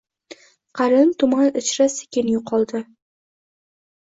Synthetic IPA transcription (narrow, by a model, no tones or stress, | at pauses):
qʰɑɾɪnt̪ʰʊmanɪt͡ʃɾasɪ̥kʲɪnjʊqʰɒlˠd̪ɪ